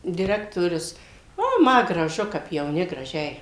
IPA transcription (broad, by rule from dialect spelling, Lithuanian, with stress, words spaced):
dʲɪˈrʲæːktoːrʲʊs oː ˈmɐ ɡrɐˈʒʊ kɐp jɛʊˈnʲɪ ɡrɐˈʒʲɛɪ